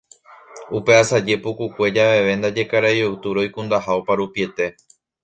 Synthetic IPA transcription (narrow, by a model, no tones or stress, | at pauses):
upe̞asad͡ʒe̞pukukʷe̞d͡ʒaʋe̞ʋe̞nd̪ad͡ʒe̞kaɾajowt̪uɾojkũnd̪ahaopaɾupie̞t̪e̞